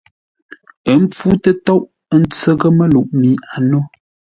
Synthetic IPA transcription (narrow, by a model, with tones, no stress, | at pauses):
ə˨˦m˦p͡fu˦tə˦tɔ˦ʔ | ə˦n̩˦t͡sə˦ɣə˦mə˦lu˨ʔmi˨˦a˨no˦